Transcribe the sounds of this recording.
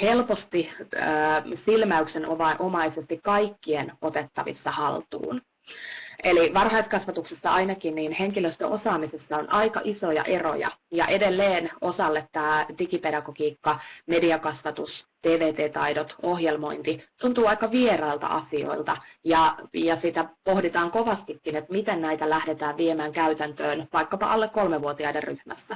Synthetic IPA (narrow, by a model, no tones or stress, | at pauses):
helpost̪iəːsilmæyksenʔoʋɑʔomɑisest̪ikkɑikːienot̪et̪ːɑʋḭsːɑhɑlt̪ṵːn | ʔeliʋɑrhɑiskɑsʋɑt̪uksesːɑɑinɑkinniːnheŋkiløst̪ø̰ʔosɑːmisesːɑonʔɑikɑ̰ʔisojɑ̰ʔe̞ro̞̰jɑ̰jɑ̰ʔe̞delːeːno̞sɑlːet̪ːɑːdikipedɑkokiːkːɑmediɑkɑsʋɑt̪usd̪̥eːʋeːt̪eːt̪ɑidot̪ohjelmo̞̰int̪it̪unt̪uːɑikːˑɑʋierɑilt̪ɑ̰ʔɑ̰sio̰ilt̪ɑjɑjɑsit̪æpohdit̪ɑːŋkoʋɑst̪ikːinet̪mit̪ennæit̪ælæhdet̪æːʋʋiemæːŋkæyt̪ænt̪øːnʋɑikːɑpɑ̰ʔɑlːekkolmeʋuot̪iɑiderryhmæ̰sːæ